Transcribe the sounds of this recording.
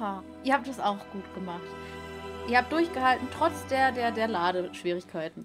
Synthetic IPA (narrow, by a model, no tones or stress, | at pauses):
aː | ʔiːɐhaːp̚t̚d̥asaʊxɡ̥uːtɡ̥əmaχt | ʔiɐhaːp̚td̥ʊɐçɡ̥əhaltn̩tʁ̥ɔt͡sd̥eːɐdeːɐdeːɐlaːɾəʃv̥iːʁ̞ɪçkʰaɪtn̩